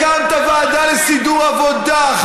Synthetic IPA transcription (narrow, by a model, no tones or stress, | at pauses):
ant̪avaːd̪alesid̪uʁavod̪a